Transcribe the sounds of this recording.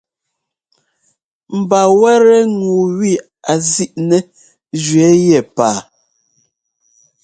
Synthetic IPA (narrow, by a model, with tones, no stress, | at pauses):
m̩˨ba˨wɛ˦ɾɛ˦ŋu˨wi˦˨ | a˨zi˦ʔnɛ˦ | d͡ʒɥɛ˨˦jɛ˨paː˨